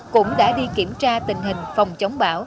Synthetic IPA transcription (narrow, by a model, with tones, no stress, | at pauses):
kʊ̰˧˥ŋ͡mɗa̰ː˧˥ɗi˧ki˧˩əmt͡ɕaː˧t̪ï˨˩ŋ̟ɦï˨˩ŋ̟fa˨˩wŋ͡mt͡ɕə˨˦wŋ͡mɓaː˧˦w